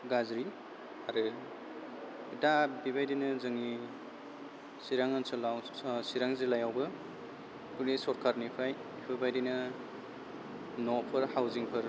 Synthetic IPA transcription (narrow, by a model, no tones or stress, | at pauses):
ɡazɾi | aɾɯ | dabibajdinɐzaŋi | siɾaŋansɯlawsiɾaŋzilajawbɯ | punisɔɾkʰaɾnipʰaj | pʰɯbajdinɐ | nɔpʰɯɾhawziŋpʰɯɾ